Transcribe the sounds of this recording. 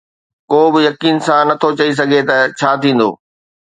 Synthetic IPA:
koːbɪjɐkiːnsãnɐt̪ʰot͡ɕɐis̬ɐɡʱet̪ɐt͡ɕʰaːt̪ʰĩːn̆d̪o̰ː

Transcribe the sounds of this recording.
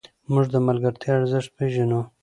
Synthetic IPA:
mʊʐd̪əmalɡaɾt̪ʰjɑːɾzɪʂt̪̚peʒanu

